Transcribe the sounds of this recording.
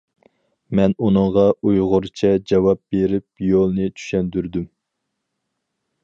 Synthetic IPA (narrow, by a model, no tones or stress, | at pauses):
mɛnunɨɴʁɑujʁʊɾt͡ʃʰɛd͡ʒɑwɑp̚beɾɪp̚jolˠnɨt͡ʃʰy̥ʃɛnd̪yɾd̪ym